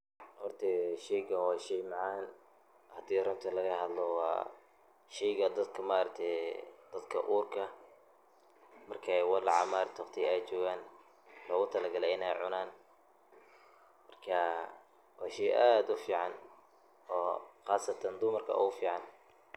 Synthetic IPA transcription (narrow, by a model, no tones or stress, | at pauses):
hɔrt̪ʰɛʃɛjɣɐwɑːʃɛjmɑʕɑːn | hɐd̪iːrʊnt̪ʰɐlɐɣɐɦɐd̪lɔwɑ̰ː | ʃɛjɣɐd̪ɐd̪kʰɐmaːɾɐk̚t̪ʰɛd̪̥ɐd̪kʰɐʔuːrkʰɐ | mɐrkʰɛwɑlʕɑ̰maːɾt̪ʰːqt̪ʰiɛjt͡ʃɔːɣaːn | lɔːɣʊt̪ʰɐlɐɡɐlɛɪnɛjʕʊnaːn | mɐrkʰɐ | wɑːʃɛjʔaːd̪ʊfiːʕɑn | ɔːxɑːsɐt̪ʰɐnd̪ʊmɐrkʰɐ̰ʊ̰ɣʊfiːʕɑn